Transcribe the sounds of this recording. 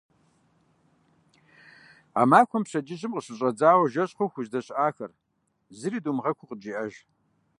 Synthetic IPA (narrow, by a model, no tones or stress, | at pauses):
a̰ːmaːkʷʰɔmpɕɐd͡ʒʼɪʑɪmqəɕɨɕʼɐd͡zaːwɐʒɐɕʼχʷoxʷʊʑdɐɕʔaːxɐr | zɨɾiːdumʁɐkʷʰʊqəd͡ʒiːʔɐʒ